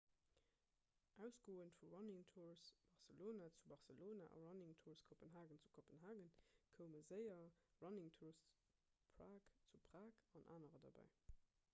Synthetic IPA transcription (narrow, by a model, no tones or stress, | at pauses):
ʔæʊsɡ̥oːəntfuɹɑnɪŋtʰuɹsb̥ɑʁsəloːnat͡subɑʁsəloːna̰ʔɑ̰ɹɑnɪŋtʰuːɹskʰopənɦaːɡənt͡su̥kʰopənɦaːɡənkʰəʊməzəɪɐɹɑnɪŋtʰuːst͡suu | pʰʁaːkt͡supʁ̥aːkɑnʔa̰ːnəʁədɑ̰bæ̰ɪ